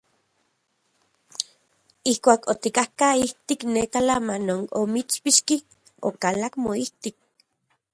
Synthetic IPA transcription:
ihkʷaːkot̪ikahkaiht̪iknekalamanonomit͡spiʃki | o̰kalakmoiht̪ik̚

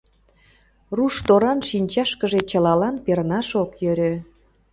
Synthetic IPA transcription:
ruʃt̪oɾɑnʃinʲt͡ɕɑʃkəʒet͡ɕəlɑlɑnpernɑʃokjøɾø

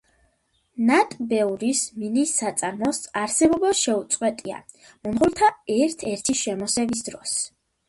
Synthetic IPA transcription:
nat̪ʼbɛuɾisminisat̪sʼaɾmɔsaɾsɛbɔbɔʃɛut̪sʼqʼwɛt̪ʼia̰ | mɔnʁuɾt̪ʰaɛɾt̪ʰɛɾt̪ʰiʃɛmɔsɛvis̬d̪ɾɔs

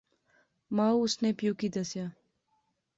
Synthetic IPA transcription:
maːuʊsnepjuːkid̪ɐsjaː

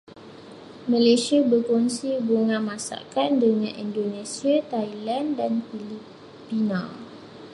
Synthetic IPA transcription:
mãlesiabərkɔnsibuŋãmãsa̰kandəŋãnindonesiat̪ajlandanfili | pinal

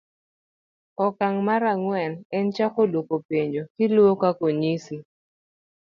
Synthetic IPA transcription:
ɔkaŋmaɾaŋwɛnɛnt͡ʃakolwokopeɲd͡ʒokɪlwokakoɲisi

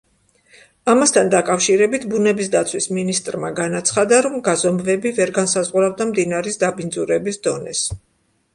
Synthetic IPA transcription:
amast̪ʰand̪akʼafʃiɾɛbit̪ʰbunɛbis̬d̪at̪sʰwisminist̪ʼɾmaɡanat̪sʰχad̪aɾɔmɡazɔmvɛbivɛɾɡansazʁuɾavd̪amd̪inaɾisd̪abind̪zuɾɛbisd̪ɔnɛs

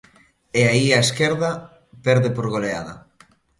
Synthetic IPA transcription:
eaiaeskɛɾða | pɛɾðepoɾɣolea̰ðɐ̰

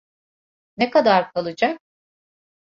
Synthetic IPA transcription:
nekad̪aɾkʰalˠɯd͡ʒak̚

